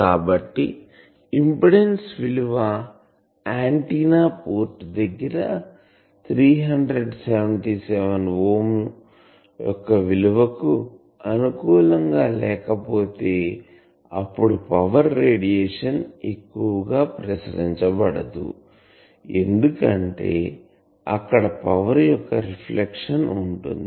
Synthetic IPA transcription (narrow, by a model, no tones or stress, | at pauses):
kaːbɐʈːi | impiɽensʋiluʋɐ | aːɳʈiːnaːpoːɾʈd̪ɐɡːɐɾɐ̰ | t̪ʰɾiːɦɐɳɖɾeɖseʋɐɳʈiːseʋɐnʋoːm | jɔkːɐʋiluʋɐku | ɐnukuːlɐŋɡaːlɛːkɐpo̞ːt̪e̞ː | ɐpːuɽupɐʋɐɾːeːɽijeːʂɐnekːuʋɐɡaːpɾɐsɐɾiɲt͡ʃɐbɐɽɐd̪ṵ | e̞nd̪ukɐɳʈe̞̰ː | ɐkːɐɽɐpɐʋɐɾjɔkːɐɾipʰlekʂɐnuɳʈṵnd̪i